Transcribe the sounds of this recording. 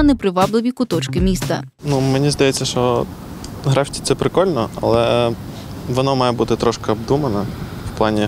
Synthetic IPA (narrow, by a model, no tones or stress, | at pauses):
nɛpɾɪʋɑblˠɪʋʲikʊt̪ɔt͡ʃkɪmʲist̪ɐ | numenʲizd̪ɐjɛt͡sʲːɐʃt͡ʃɔ | ɦɾɑfʲtʲi̥t̪sɛpɾɪkɔlʲnɔɐ̰lˠɛ | ʋɔnɔmɑjɛbut̪ɪt̪ɾɔʃkɐɔbd̪umɐnɐ | wplˠɑnʲi